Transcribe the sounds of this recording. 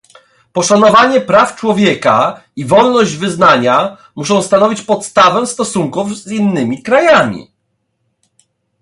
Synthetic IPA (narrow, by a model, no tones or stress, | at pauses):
pɔʂanɔvaɲɛpɾaft͡ʂwɔvʲjɛkaivɔlnɔʑd͡ʑvɘznaɲa | muʂɔ̃w̃st̪anɔvʲit͡ɕpɔt̪st̪avɛ̃st̪ɔsuŋkufzinːɘmʲikɾajamʲḭ